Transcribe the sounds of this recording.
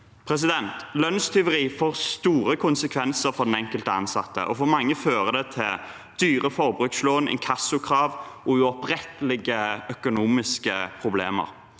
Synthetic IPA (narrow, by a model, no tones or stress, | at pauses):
pʰɾɛs̬ɪd̪ɛnt̪lœnst̪ʰʏʋəʁiːfoːʁst̪uːɾəkʰʊnsəkʰʋɛnsəɾfɔd̪ɛnɛŋkəlt̪əɑ̰nsɑ̰t̪ːə̰ʔɔfɔʁmɑŋːəføːʁəd̪ɛt̪ʰɪl | d̪̥yːʁəfɔʁbʁʉksloːnɛ̰ŋkʰɑsʊkʰʁɑːʋʔɔʉɔpʁɛt̪əlɪɡəœkʊnuːmɪskəpʰʁʊbleːmə̰ʁ